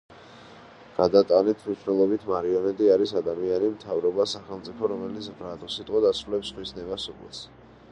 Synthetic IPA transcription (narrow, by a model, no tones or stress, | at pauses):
ɡ̥ad̪at̪ʼanɛt̪ʰmniʃvnɛlˠɔbit̪ʰmaɾiɔnɛt̪ʼiaɾisad̪amianimt̪ʰavɾɔbasaχɛlˠt̪sʼipʰɔɾɔmɛlit̪sʰvɾat̪ʼɔsit̪ʼqʼɔd̪asɾulɛpsχwisnɛvasupʼɛ̰s